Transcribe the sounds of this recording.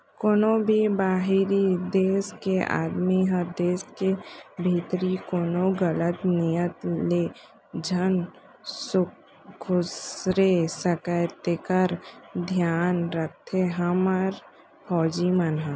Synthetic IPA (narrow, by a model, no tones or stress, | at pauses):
koːnobʱibaːɦiɾid̪eːskea̰ːd̪miɦə̃d̪eːskebʱiːt̪ɾikoːnoɡələt̪nijət̪le | d͡ʒʱən | sʊ | kʰʊsɾesəkət̪ekəɾd̪ʱjaːnɾək̚ʰt̪ʰeɦəməɾ | pʰɔːd͡ʒimənɦə̃